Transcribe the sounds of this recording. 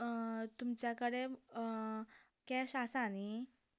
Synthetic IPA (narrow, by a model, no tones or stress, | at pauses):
t̪umt͡ɕjakəɽe | kɛɕasani